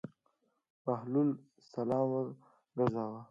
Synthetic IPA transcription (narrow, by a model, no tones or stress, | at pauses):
mahlul | salɑːmwəɾ | ɡazɑwa